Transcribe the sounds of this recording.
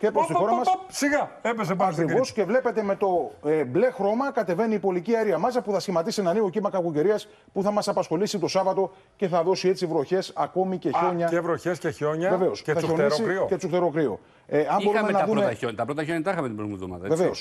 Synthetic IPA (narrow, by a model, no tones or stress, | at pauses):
cepɾosixo̞ɾɐmɐssiɣɐepes̬epɐkɾivo̞sce̞vle̞pe̞t̪e̞me̞t̪o̞eble̞xɾo̞mɐkɐt̪e̞ve̞niːpo̞liciɐɾiɐmɐsɐpuθɐsçimɐt̪isenɐnio̞cimɐkɐɣuce̞ɾiɐs | puθɐmɐsɐpɐsxo̞lisit̪o̞sɐvɐt̪o̞ | ce̞θɐðo̞sie̞t͡sivɾo̞çe̞sɐko̞mice̞ço̞ɲɐevɾoçesceço̞ɲɐveve̞osθɐoeiɾsicet͡suxt̪eɾo̞kɾio̞̰ | eɐmbo̞ɾuumemnɐðumeot̪ɐpɾot̪ɐçoɲɐt̪ɐxɐmet̪ibɾoθmiðomɐ̰ðɐeveveos